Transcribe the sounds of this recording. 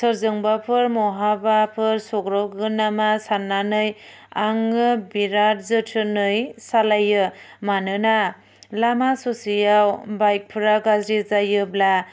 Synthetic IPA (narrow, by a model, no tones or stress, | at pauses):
sɯɾzɯŋbapʰɯɾmɔɦabapʰɯɾsɔɡɾɔɡɯnamasanːanɯj | aŋɯbiɾat̚zɯtʰɯnɯjsalajɯmanɯna | lamasɔsijawbajk̚pʰɯɾaɡazɾizajɯbla